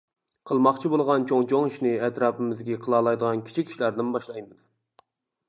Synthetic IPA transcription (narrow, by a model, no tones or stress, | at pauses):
qʰəlˠmɑχt͡ʃʰibolˠʁɑnt͡ʃʰoŋt͡ʃʰoŋiʃnɪɛt̪ɾɑːpɪmɨzd̪ɪkʲiqʰəlˠɑːlˠɑjd̪əʁɑnkʲʰi̥t͡ʃʰikʲʰːi̥ʃilæɾd̪ɪnbɑʃlˠɑjmɨd̪